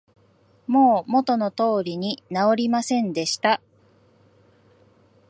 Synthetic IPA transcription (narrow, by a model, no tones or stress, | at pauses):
mo̞ːmo̞t̪o̞no̞t̪o̞ːɾʲiɲ̟inao̞ɾʲimasẽ̞nd̪e̞ɕi̥t̪a